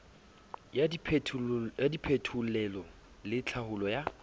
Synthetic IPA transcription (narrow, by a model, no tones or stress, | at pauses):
japʰjadipʰetʰulɛlɔ | lɪt͡ɬʰahʊlɔja